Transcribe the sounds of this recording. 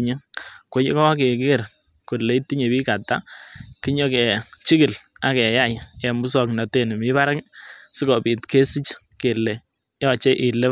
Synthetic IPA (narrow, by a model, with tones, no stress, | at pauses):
ɲe˦ko˦ji˦kɔ˦ke˨kɪ˦˨r | ku˨le˨˦ti˦ɲe˨bi˦ka˨ta̰˦ki˦ɲɔ˦kɛ˨t͡ʃi˦ki˨la˨kɛ˨ja˦˨jɛ˨mu˦s̬ɔ˨kna˨te˨n˨mɪ˦ba˦ɾa˦ksi˦kɔ˨pi˨tke˦si˦t͡ʃ | ke˨le˨ | jɔ˨t͡ʃe˦ʔɪ˨le˦